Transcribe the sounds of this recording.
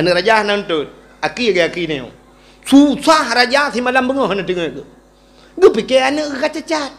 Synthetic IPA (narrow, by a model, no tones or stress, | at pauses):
aniɾad͡ʒʲahnanto | akijeɡeakinejo̰ | t͡sut͡sʷaɦaɾad͡ʒaθimalambuŋoənatiŋɡə̰ | ɡəpikeaniɣkat͡ʃat͡ʃa